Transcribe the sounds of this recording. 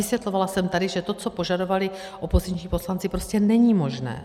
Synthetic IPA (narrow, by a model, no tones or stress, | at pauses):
ɪsvjɛt̪lovalasɛmt̪adɪʒɛt̪o̞t͡so̞po̞ʒado̞valɪ | ʔopoziɲt͡ʃɲiːpo̞slant͡sɪpɾo̞scɛnɛɲiːmo̞ʒnɛ̰ː